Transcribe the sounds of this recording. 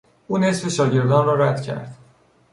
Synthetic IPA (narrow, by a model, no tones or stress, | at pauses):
ʔuːne̞sfe̞ʃɒːɟe̞ɾd̪ɒːnrɒːɾæd̪cʰæ̰ɾd̪̥